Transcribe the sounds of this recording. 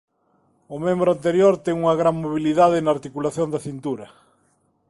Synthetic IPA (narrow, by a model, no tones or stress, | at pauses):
ʊmẽmbɾʊant̪eɾjoɾt̪ɛŋuŋɐɣɾaŋmoβiliðað̞ɪnɐaɾt̪ikulaθjond̪ɐθint̪uɾɐ